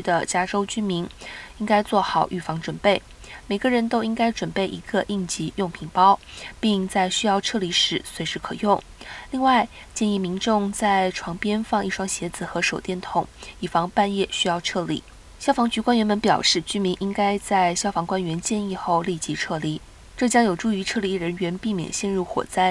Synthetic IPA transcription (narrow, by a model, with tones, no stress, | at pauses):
y˥d̪ə˨t͡ɕja˥ʈ͡ʂo˥ʊt͡ɕy˥mi˧˥ni˥ŋka˥ɪt͡swɔ˥˩xɑ˨˩˦ʊʔy˥˩fɑ˧˥ŋʈ͡ʂwə˨˩npe˥˩ɪ | me˨˩ɪɡə˧ɻə˧˥nt̪o˥ʊi˥ŋka˥ɪʈ͡ʂwə˨˩npe˥˩ɪʔi˧˥ɡ̥ə˧ʔi˥˩ŋt͡ɕi˧˥jʊ˥˩ŋpʰi˧˥ŋpɑ˥ʊpi˥˧ŋt͡sa˥˩ɪɕy˥jɑ˥˧ʊʈ͡ʂʰɤ˥˩li˧˥ʂɻ̩˧˥swe˧˥ɪʂɻ̩˧˥kʰɤ˨˩jʊ˥˩ŋ | li˥˧ŋwa˥˧ɪ | t͡ɕjɛ˥˧ni˥˩mi˧˥ŋʈ͡ʂʊ˥˧ŋt͡sa˥˩ɪʈ͡ʂʰwɑ˧˥ŋpjɛ˥nfɑ˥˧ŋi˥˩ʂwɑ˥ŋɕjɛ˧˥d͡zɹ̩˨˩xɤ˧˥ʂo˨˩ʊt̪jɛ˥˩nt̪ʰʊ˨˥˦ŋi˨˩fɑ˧˥ŋpa˥˧njɛ˥˩ɕy˥jɑ˥˧ʊʈ͡ʂʰɤ˥˩lḭ˨˩˦ | ɕjɑ˥ʊfɑ˧˥ŋt͡ɕy˧˥kwa˥nɥɛ˧˥nmə˧˥npjɑ˨˩ʊʂɻ̩˥˩t͡ɕy˥mi˧˥ŋʔi˥ŋka˥ɪt͡sa˥˩ɪɕjɑ˥ʊfɑ˧˥ŋkwa˥nɥɛ˧˥nt͡ɕjɛ˥˧ni˥˧xo˥˧ʊli˥˩t͡ɕi˧˥ʈ͡ʂʰɤ˥˩li˧˥ | ʈ͡ʂɤ˥˩t͡ɕjɑ˥ŋjo˨˩ʊʈ͡ʂu˥˩y˧˥ʈ͡ʂʰɤ˥˩li˧˥ɻə˧˥nɥɛ˧˥npi˥˩mjɛ̰˨˩nɕjɛ˥˧nɻu˥˩xwɔ̰˨˩t͡sa˥˩ɪ